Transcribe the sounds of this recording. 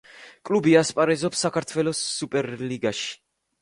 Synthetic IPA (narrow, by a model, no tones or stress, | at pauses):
kʼlubiaspʼaɾɛzɔpsakʰaɾt̪ʰwɛlɔsːupʼɛɾliɡaʃi̥